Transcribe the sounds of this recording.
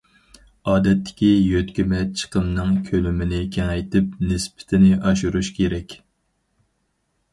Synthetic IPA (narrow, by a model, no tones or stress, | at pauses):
ɑːd̪ɛt̪ːɪ̥kʲijøt̪kʲimɛt͡ʃʰə̥qəmnɨŋkʲʰølymɪnɪkʲʰɛŋɛjt̪ʰɪp̚nɪspɪ̥t̪ʰɪnɪʔɑʃuɾuʃkʲʰeɾɛkʲ